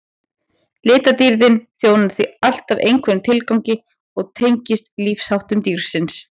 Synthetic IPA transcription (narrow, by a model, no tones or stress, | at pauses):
lɪːt̪at̪iɾðɪnθjoːwnḁθvial̥t̪avejŋkʰvɛnɪmt̪ʰɪlkawɲcɪ | ɔɣt̪ʰejɲcɪst̪liːfshawht̪ʏmt̪iɾ̥sɪns